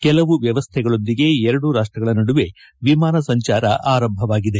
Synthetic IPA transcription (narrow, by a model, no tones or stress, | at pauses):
kɛlɐʋuʋjɐʋɐst̪ʰɛɡɐɭo̞nd̪iɡe̞ɛɾɐɽuɾaːʂʈɾɐɡɐɭɐnɐɽuʋe̞ | ʋimaːnɐsɐɲt͡ʃaːɾɐ̰ʔaːɾɐmbʱɐʋaːɡid̪e̞